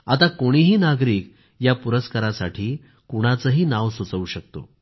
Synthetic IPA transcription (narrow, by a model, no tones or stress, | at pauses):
at̪akoɽ̃iɦiːnaɡɾiːk | japuɾəskaɾasaʈʰiː | kuɽ̃at͡səɦiːnaʋsət͡sʋuːɕək̚t̪o̰